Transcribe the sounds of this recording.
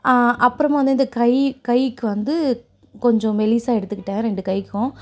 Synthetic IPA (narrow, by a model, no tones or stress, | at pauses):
aʔɐpːɯɾɐmʋɐnd̪ɯɪnd̪ɐkɐɪkɐɪkːɯʋɐnd̪ɯ | kɔɲd͡ʒɔ̃mɛliːsaːɛɽɯt̪ːɯkːɪʈːẽːɾɛɳɖɯkɐɪkːʊ̃